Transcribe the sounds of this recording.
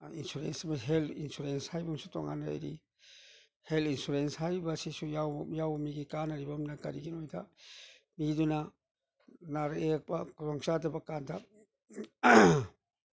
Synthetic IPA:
insuɾensmaɦelinsuɾenshajbamsuto̰ŋa̰nɾa̰jɾḭ | helinsuɾenshajbɐsisujawjawmiɡikanɐɾibɐmnɐkɐɾiɡinojdɐ̰ | miduna | naɾek̚bɐkuzɔŋt͡ʃadɐbɐkandɐ

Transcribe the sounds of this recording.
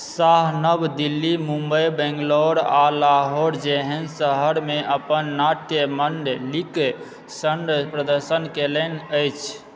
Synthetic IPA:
saɦnəbd̪ilːimumbəjbɛ̃ŋɡloɾalaɦoɾd͡ʒeɦənsəɦəɾmeʔəpənːaʈ̪jəmənɖlike | sənɖpɾəd̪əɾsənkelənəjt͡ʃʰ

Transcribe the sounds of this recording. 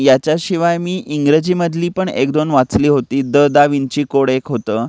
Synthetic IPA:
jat͡ɕjaɕiʋajmiːʔiŋɡɾəd͡ʑiːməd̪ʱliːpəɳḛkd̪onʋat͡sliːɦot̪iːd̪əd̪aʋint͡ɕiːkoɽekɦot̪əː

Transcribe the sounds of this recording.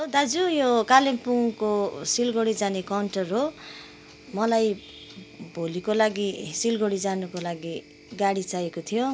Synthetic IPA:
od̪ad͡zujokalempuŋkosilɡoɽid͡zanekawɳʈʌrɦo | mʌlaj | bʱolikolaɡisilɡoɽid͡zanukolaɡi | ɡaɽit͡sajekot̪ʰijo

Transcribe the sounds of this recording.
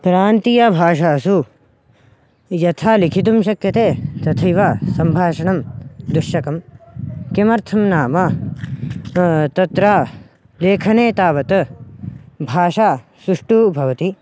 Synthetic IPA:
kɾaːnt̪ijabʱaːʃaːɐsu | jɐt̪ʰaːlikʰit̪̬umʃɐkjɐt̪eːt̪ɐt̪ʰɐjʋasɐmbʱaːʂɐɳɐmd̪uʃjɐkɐm | kemɐɾt̪ʰɐmnaːmɐ | t̪ɐt̪ɾaː | leːkʰɐneːt̪aːʋɐt̪ɐ | bʱaːʃaː | sɾuʂʈubʱɐʋɐt̪i

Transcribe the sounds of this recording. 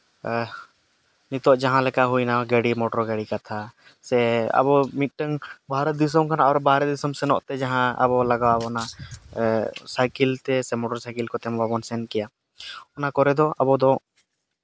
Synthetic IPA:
nit̪ɔʔd͡ʒaɦãlɛkaɦujnaɡəɽimɔʈɔɾɡəɽikat̪ʰa | sɛa̰bɔmit̪̚ˀʈəŋbʱaɾɛd̪is̬ɔmkanaɔɾbʱaɾɛd̪isɔmsɛnɔ̰ʔt̪ɛd͡ʒaɦãə̰bɔlaɡawaabɔna | sajkilt̪ɛsɛmɔʈɔɾsajkilkɔt̪ɛmɔbabɔnsɛnkɛja | ɔnakɔɾɛd̪ɔʔabɔd̪ɔ

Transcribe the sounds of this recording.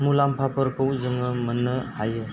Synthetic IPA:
mulampʰapəɾkʰowzɯŋɯmənːɯhajɯ

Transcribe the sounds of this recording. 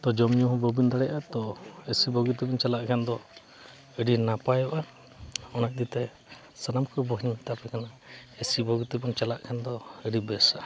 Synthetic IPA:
t̪ɔd͡ʒɔmɲuɦbɔbind̪aɽɛʔat̪ɔesibɔɡut̪ibɔɲt͡ʃalaʔkʰɛnd̪ɔ | əɖinapajɔʔa | ɔnaʔ̚d̪it̪ɛ | sanamkɔbɔɦiɲt̪apɛkana | esibɔɡut̪ibɔɲt͡ʃalaʔkʰɛnd̪ɔəɖibɛsa

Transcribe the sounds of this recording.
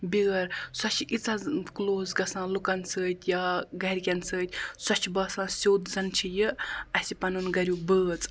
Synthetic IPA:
bʲiːɾsɔt͡ʃʰiʔit͡sakloːzɡɐsãːlukɐnsəːt̪ʲʰjaːɡɐɾʲkʲɐnsəːt̪ʲsɔt͡ʃʰibɐːsãːsʲoːd̪zɐnt͡ʃʰijɨɐsʲipɐnɨnɡɐɾʲjubəːt͡sʼ

